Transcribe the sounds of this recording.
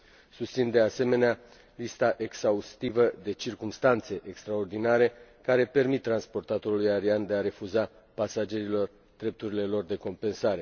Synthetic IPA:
sust̪sind̪e̞ase̞me̞nea | list̪aʔe̞ksaust̪ivəd̪e̞t͡ʃirkumst̪ant̪se̞ʔekst̪ɾao̞rd̪inaɾe̞kaɾe̞pe̞rmit̪ːɾanspo̞rt̪at̪o̞ɾulujaɾiand̪e̞aɾe̞fuza | pasad͡ʒe̞ɾilo̞r | d̪̥ɾe̞p̚t̪uɾile̞lo̞rd̪e̞ko̞mpe̞nsaɾe̞

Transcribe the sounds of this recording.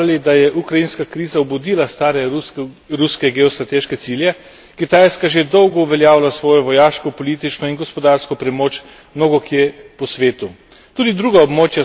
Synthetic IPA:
lid̪ajɛʔukɾajinskakɾiːzaubud̪iːlast̪aːɾɛ | ɾuskɛɡɛɔst̪ɾat̪eːʃkɛt̪siljɛ | kit̪aːjskaʒed̪ɔwɡɔuʋɛljaːwlasʋɔːjɔʋɔjaːʃkɔpɔliːt̪it͡ʃnɔinɡɔspɔd̪aːɾskɔpɾɛmoːt͡ʃ | mnoːɡɔkjepɔsʋeːt̪u | t̪uːd̪id̪ɾuːɡaɔbmoːt͡ʃja

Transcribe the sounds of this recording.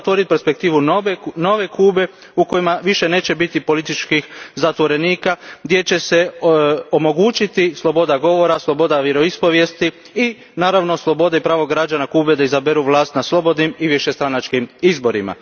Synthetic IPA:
t̪ʋo̞ɾit̪ipeɾspe̞kt̪iːʋuno̞ʋe̞kuːbe̞ | uko̞jimaʋiʃe̞ne̞ːt͡ʃe̞bit̪ipo̞lit̪it͡ʃkixzat̪ʋo̞ɾe̞niːkaɡd̪jet͡ɕe̞se̞omo̞ɡuːt͡ʃit̪islˠo̞bo̞d̪aɡo̞ʋo̞ɾaslˠo̞bo̞d̪aʋjeɾo̞ispo̞ʋje̞st̪i | i | naːɾaʋno̞slˠo̞bo̞d̪aipɾaːʋoɡɾad͡ʒanakuːbe̞d̪aizabeɾuʋlaːst̪naslˠo̞bo̞d̪nimiʋiʃest̪ɾanat͡ʃkimizbo̞ɾima̰

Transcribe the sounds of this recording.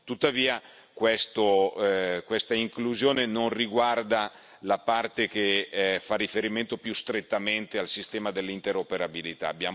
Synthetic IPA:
t̪ut̪ːaviːa | kwest̪o | kwest̪aiŋkluzjoːnenonriɡward̪a | lapart̪ek̟efarːifeɾiment̪opjust̪ɾet̪ːament̪ealsist̪ɛːmad̪elːint̪eɾopeɾabilit̪a̰ːbja̰ː

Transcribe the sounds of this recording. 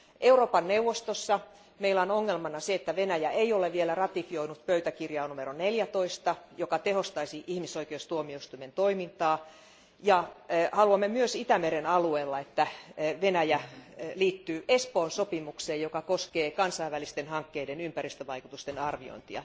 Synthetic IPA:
ʔeuroːpɑnneuʋːost̪osːɑ | meilæonoŋːelmɑnɑseet̪ːæʋenæjæeioleʋielærɑt̪ifioinut̪pøyt̪ækirjɑːnumeɾoneljæt̪oist̪ɑjokɑt̪ehost̪ɑisiʔihmisoikeust̪uomioist̪uiment̪oimint̪ɑː | jɑhɑluɑmːemyøsit̪æmeɾenɑlueːlːɑet̪ːæʋenæjæliːt̪ːyːʔespoːnsopimukseːjjokɑkoskeːkɑnsɑiʋːælist̪enhɑŋkːeidenympærist̪øʋɑikut̪ust̪enɑrʋio̰int̪iɑ̰

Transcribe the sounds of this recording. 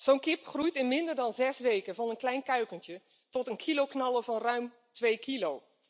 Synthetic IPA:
z̥ownkɪpχrujtɪnmɪndəɹdɑnzɛsʋejkəvɑnənklɛjnkœɥkəntjə | tɔtənkʰilowknɑlˠəvɑnrœɥm | tʋejkilow

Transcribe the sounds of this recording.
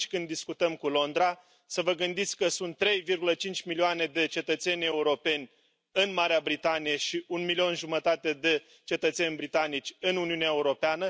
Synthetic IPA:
t͡ʃkɨnd̪iskut̪əmkulo̞nd̪ɾa | səvəɡɨnd̪it̪sʲkəsunt̪ːɾe̞jvirɡulət͡ʃint͡ʃʲmilioane̞d̪e̞t͡ʃe̞t̪ət̪se̞nʲe̞uɾo̞pe̞nʲ | ɨnmaɾeabɾit̪anijeʃiʔunmilio̞nʒumət̪at̪e̞d̪e̞ | t͡ʃe̞t̪ət̪se̞nʲbɾit̪anit͡ʃʲɨnuniuneaeuɾo̞peanə

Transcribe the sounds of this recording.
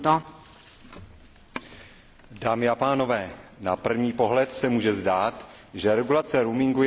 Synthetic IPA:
t̪o | daːmɪapaːno̞vɛːna̰pr̩vɲiːpo̞ɦlɛt̪sɛmuːʒɛzdaːt̪ | ʒɛɾɛɡulat͡sɛɾumɪŋɡu

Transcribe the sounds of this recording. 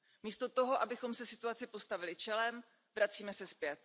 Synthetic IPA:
miːst̪o̞t̪o̞ɦoʔabɪxo̞msɛsɪt̪uat͡sɪpo̞st̪avɪlɪt͡ʃɛlɛm | vɾat͡siːmɛsɛspjɛt̪̚

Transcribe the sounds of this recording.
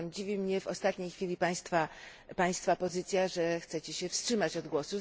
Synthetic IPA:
md͡ʑivʲimɲɛvɔst̪at̪ɲejxfʲilʲipaj̃st̪fa | paj̃st̪fapɔzɘt̪sʲjaʐɛxt̪sɛt͡ɕɛɕɛfstʂɘmat͡ɕɔd̪ɡwɔsu

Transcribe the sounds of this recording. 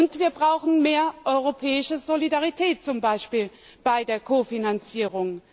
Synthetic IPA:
ʊntv̥iːɐbʁaʊxn̩meːɐʔɔʏʁopʰɛːɪʃəzolidaʁitʰɛːt̚t͡sʊmbaɪʃpiːl | b̥aɪdeːɐkʰoːfinant͡siːʁ̞ʊŋ

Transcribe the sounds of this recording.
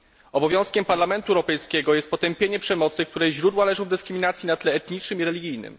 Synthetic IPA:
ɔbɔvʲjɔ̃w̃skʲɛmpaɾlamɛnt̪uɛwɾɔpɛjskʲɛɡɔjɛst̪̚pɔt̪ɛmpʲjeɲɛpʂɛmɔt̪sɘkt̪uɾɛjʑɾud̪walɛʐɔ̃w̃vd̪ɘskɾɘminat̪sʲjinat̪lɛːt̪ɲit͡ʂnɘmiɾɛlʲiɡʲijnɘ̰m

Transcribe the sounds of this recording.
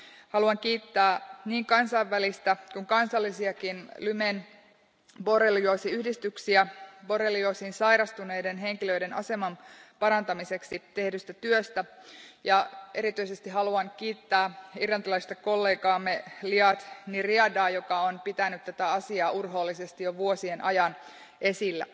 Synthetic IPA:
hɑluɑŋkiːt̪ːæːniːŋkɑnsɑiʋːælist̪ækuŋkɑnsɑlːisiɑkinlymen | bo̞reljuosiyhdist̪yksiæbo̞ɾeljosiːnsɑjɾɑst̪une̞jdenɦe̞ŋkilø̞ide̞nɑ̰se̞mɑnpɑɾɑnt̪ɑmise̞ksit̪e̞hdyst̪æt̪yøst̪æjɑʔe̞ɾit̪yise̞st̪iɦɑluɑŋkiːt̪ːæːirlɑnt̪ilɑist̪eko̞lːeːkɑːmːeliɑt̪niriɑdɑːjokɑonpit̪ænyt̪t̪æt̪æɑsiɑːʔurɦoːlːisest̪ijoʋuosienʔɑjɑn | ʔe̞silːæ̰

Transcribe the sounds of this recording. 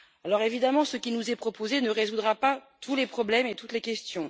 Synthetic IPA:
alɔʁevid̪amɑ̃səkʲinuzɛpχɔpozenəʁezud̪ʁapat̪ʰulepχɔblɛmet̪ut̪lekʲɛst̪jɔ̃

